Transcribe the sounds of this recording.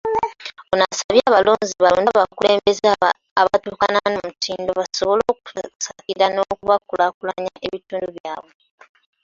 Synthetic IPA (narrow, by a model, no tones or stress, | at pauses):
onasaβjaːβaloːnziβaloːnaβakuleːmbe̞z | aβatuːkananoumutʰiːndo̞βasoβo̞lo̞ːku̥sakiɾanoːkuβakulakulaɲaʔe̞βituːnduβjaːβwe